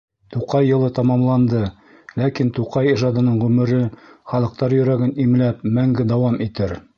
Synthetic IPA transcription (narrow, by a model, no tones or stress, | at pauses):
t̪uqɑjːɤ̆lˠɤt̪ɑmɑmlˠɑnd̪ɤ | lækint̪uqɑjiʒɑd̪ɤ̆nɤɴʁʉmɘ̆ɾɘχɑlˠɤ̆q̚t̪ɑɾjɵ̆ɾæɡɘnimlæp̚mæŋɡɘd̪ɑwɑmit̪ɘɾ